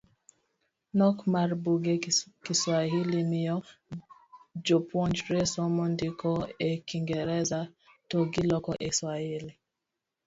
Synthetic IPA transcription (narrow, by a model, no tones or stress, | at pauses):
nɔkmaɾbuɡɛkiswaɦilimijɔ | d͡ʒopwɔnd͡ʒɾesɔmɔndikʰɔekiŋɡɛɾɛza | toɡilɔkɔʔeswahili